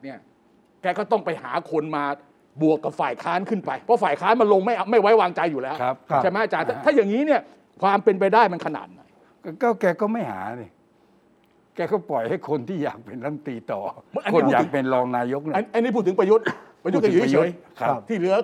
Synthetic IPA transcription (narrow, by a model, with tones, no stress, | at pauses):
ni˥˩ɐ | kɛː˧˩kɔː˥˩t̪ɔ˥˩ŋpa˧jha̰ː˩˦kʰo˧nmaː˧ | bu˨˩əkːa˨˩p̚faː˨˩jkʰaː˦˥nkʰɯ˥˩npa˧jpʰɔ˦˥faː˨˩jkʰaː˦˥nma˧nlo˧ŋma˥˩ja˧ma˥˩jwa˦˥jwaː˧ŋt͡ɕa˧jːuː˨˩lɛː˦˥a˦˥p̚ʰa˥˩jma˦˥ʔa˧t͡ɕaː˧nt̪a˥˩t̪ʰaː˥˩jaː˨˩ŋːiː˦˥ni˥˩ɐ | kʰwaː˧mpe˧np̬a˧jdaː˥˩jma˧nkʰa˧na̰ː˨˩t̪̚na̰˨˩j | kɔː˦˥˩kɛː˧kɔː˥˩ma˥˩jha̰ː˩˦na˧ | kɛː˧kɔː˥˩pɔ˨˩jha˥˩jkʰo˧nt̪ʰiː˥˩ja̰ː˨˩k̚pe˧nɾa˥˩ŋt̪iː˧t̪ɔː˨˩˥ʔa˧no˧˥aː˨˩k̚pe˧nɾɔː˧ŋnaː˧jo˦˥k̚n˥˧ʔa˧nːi˦˥p̬ʰuː˥˩t̪ʰːpɾa˧jo˦˥t̪̚pɾa˧jo˦˥t̪kːjkʰa˦t̪ʰiː˥˩ɾɯ˦˥ɐ